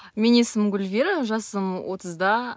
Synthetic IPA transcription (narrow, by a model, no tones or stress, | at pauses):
menesəmɡʲʊlʲvʲeɾəʒɑsəmwo̞t̪ʰəzd̪ɑ